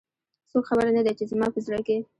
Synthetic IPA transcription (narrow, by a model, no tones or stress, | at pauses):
sokxabəɾanad̪at͡ʃezmɑpəzɾɑke